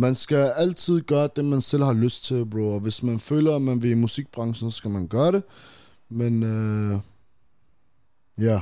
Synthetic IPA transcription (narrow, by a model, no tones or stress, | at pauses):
mænsɡ̥æælt͡sʰið̞̰ˠɡ̥œːɐd̪̥emænsel̰hɑløs̚t͡sʰe̝læb̥ɾuːɒʋe̝smænfø̰ːlɐæmænʋeimusiɡ̥̚b̥ʁɑ̈ŋsn̩sɔsɡ̥æmænɡ̥ɶːɐɾe | men | jæ